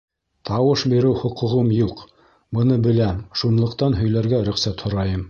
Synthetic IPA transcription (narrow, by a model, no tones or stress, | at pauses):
t̪ɑwɤʃbiɾɘwhŏqŭʁɤmjuq | bɤ̆nɤbɘ̆læmʃunlˠɤ̆qt̪ɑnɦɵ̆jlæɾɡæɾɵ̆χsæt̪hŏɾɑjɤm